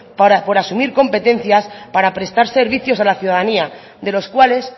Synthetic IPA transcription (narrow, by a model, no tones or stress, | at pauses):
po̞ɾasumiɾko̞mpe̞t̪e̞n̟θjaspaɾapɾe̞st̪aɾse̞ɾβ̞iθjo̞salaθjuðaðania | ðe̞lo̞skwale̞s